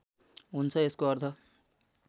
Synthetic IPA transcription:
ɦunt͡sʰʌeskoʌrt̪ʰʌ

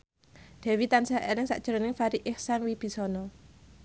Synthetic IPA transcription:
d̪̥ɛ̤wit̪ansaʔɛlɪŋsa̰ʔd̥ʒ̥əɾɔnɪŋfaɾiʔɪhsanwib̥i̤sɔnɔ

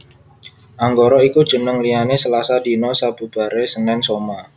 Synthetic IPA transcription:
ʔaŋɡoɾɔiku̥ʒ̥ə̤nəŋlianesəlasadi̤nɔsab̥ṳb̥a̤ɾesənɛnsoma

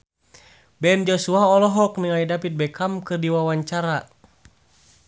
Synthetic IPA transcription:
bɛnd͡ʒɔsuaɔlɔɦɔkniŋaidapit̪̚bɛkamkɨrdiwawaɲt͡ʃaɾa

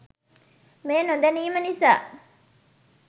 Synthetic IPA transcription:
meːnod̪ɐniːmɐnisa̰ː

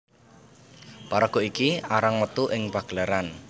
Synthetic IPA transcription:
paɾəɡ̥o̤ikiaɾaŋmət̪uʔɪŋpaɡ̥laɾan

